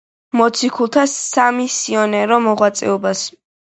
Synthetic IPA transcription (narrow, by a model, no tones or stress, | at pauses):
mɔt̪sʰikʰulˠt̪ʰasamisiɔnɛɾɔmɔʁwat̪sʼɛ̰ɔbas